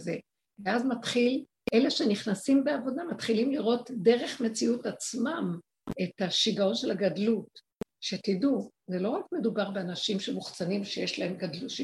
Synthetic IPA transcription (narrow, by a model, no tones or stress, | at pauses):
ze | veazmatχil | ele̞ʃe̞niχnasimbe̞avo̞damat̪χilimliʁo̞tde̞ʁe̞χme̞t͡siutat͡smam | e̞taʃiɡao̞nʃelaɡadlut | ʃe̞tidu | zelo̞ʁakme̞dubaʁbeanaʃimʃe̞muχt͡sanimʃejeʃlae̞mɡadluʃ